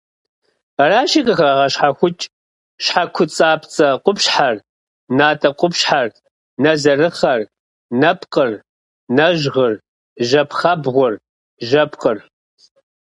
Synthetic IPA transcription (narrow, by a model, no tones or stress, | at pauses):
raːʃikʼɨxɐʁɐɕħaxʷʊt͡ʃʼ | ʃħakʷʰʊt͡sʼaːpʰt͡sʼɐqʷʊpɕħar | naːtʼɐqʷʼʊpɕħar | nɐzɐrɨχɐr | nɐpʰʼqər | nɐʒʁər | ʒɐpʰχɐbʁʷʊr | ʒɐpqʼər